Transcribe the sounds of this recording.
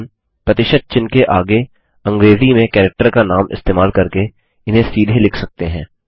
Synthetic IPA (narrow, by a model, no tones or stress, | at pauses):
n | pɾɐt̪ɪʃəd̪̚t͡ʃɪnkeʔaːɡe | ɐ̃ŋɡɾeːzimẽkɛːɾɛk̚ʈəɾkanaːmʔɪ̰st̪eːmaːlkɐɾke | ɪnɦẽsiːd̪ʱelɪkʰsɐk̚t̪eɦɛ̃ː